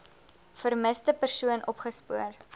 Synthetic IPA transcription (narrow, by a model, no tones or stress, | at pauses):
fərməstəpərsuənʔɔpχəspuər